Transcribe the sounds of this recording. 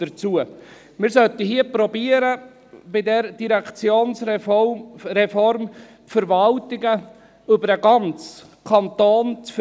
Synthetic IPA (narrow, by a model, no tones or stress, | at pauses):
d̥əɾt͡suə | mɪɾsœt̪əɦiəpɾɔbiəɾə | b̥ɪdɛɾd̥iɾɛkt͡sjoːns | ɾɛfɔɾm | fəɾvɑltɪɡə | ʏbəɾəɡɑnt͡s | kʰɑnt̪oːnt͡sf